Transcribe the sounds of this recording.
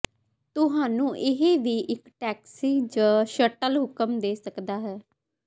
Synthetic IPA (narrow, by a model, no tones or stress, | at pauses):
t̪ʊɦaːnũːʔɪɦeːʋiːʔɪkʈɛːksiːd͡ʒaːʃəʈəlɦʊkəmd̪eːsəkd̪aːɦɛː